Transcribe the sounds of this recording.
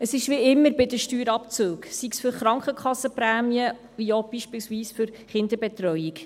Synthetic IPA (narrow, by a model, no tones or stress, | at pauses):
əsɪʃʋiɪmːəɾbɪdəʃtyːɾɑpt͡søːksiksfʏɾχɾɑŋkχəkʰχɑsːəpɾæːmiə | viob̥iʃpɪlsʋiːsfʏɾ | χɪnd̪əɾbɛt̪ɾœjik